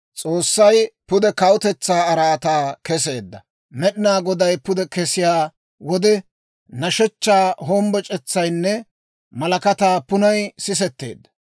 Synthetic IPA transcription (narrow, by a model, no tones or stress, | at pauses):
t͡sʼo̞ːsːɐjpʊd̪ɛkɐʊt̪ɛt͡sːaːɐɾaːt̪aːkɛs̬e̞ːd̪ːɐ | mɛɗɪnaːɡɔd̪ɐjpʊd̪ɛkɛsɪjaː | wɔd̪ɛ | nɐʃɛt͡ʃːaːɦoːmbɔt͡ʃʼɛt͡sːɐjnːɛ | mɐlɐkɐt̪aːpʊnɐjsɪs̬ɛt̪ːḛːd̪ːɐ̥